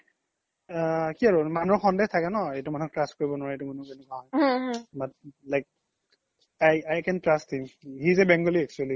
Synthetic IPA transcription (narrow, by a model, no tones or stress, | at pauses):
kiaɹumanuɹxɔndextʰakɛnɔejtumanɔk̚tɹast̚koɹibɔnʊwaɹɛetumanubenukaɦɔjbat̚lajk̚ | ajajkɛntɹasthimhizɛbɛŋɡɔliɛk̚t͡ʃuali